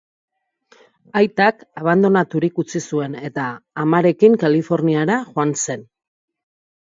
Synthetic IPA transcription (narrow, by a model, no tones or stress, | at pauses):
ajt̪akaβ̞and̪o̞nat̪uɾikut͡sisue̞ne̞t̪aːmaɾe̞kiŋkalifo̞ɾniaɾaʝoanse̞n